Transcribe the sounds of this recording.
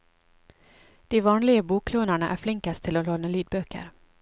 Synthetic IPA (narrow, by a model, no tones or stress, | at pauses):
d̪̥ɛvɑːnlɪɡəbuːkʰloːnaɳaʔæ̰ɾflɪŋkast̪ʰɪlɔloːnəlyːd̪̚bœkːə̰ɾ